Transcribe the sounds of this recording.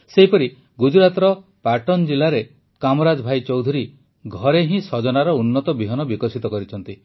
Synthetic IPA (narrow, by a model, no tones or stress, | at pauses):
seɦipɔɾi | ɡud͡ʒɾat̪ɾɔpaʈɔnd͡ʒilaɾe | kamɔɾad͡ʒbʱajt͡ʃɔwd̪ʱuɾi | ɡʱɔɾeɦĩsɔd͡ʒɔnaɾɔunːɔt̪ɔbiɦɔnɔbikɔsit̪ɔkɔɾit͡ʃʰɔnt̪i